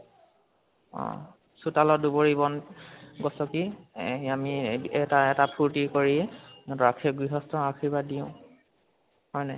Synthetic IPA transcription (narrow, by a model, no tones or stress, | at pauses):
ɔ̰ | sutalɔduboɹibɔnɡɔsɔkiamiɛtaɛtapʰuɹtikoɹiɛɹakʰiɡɹiɦɔstɔɹakʰibadiʊ̃ | hɔjna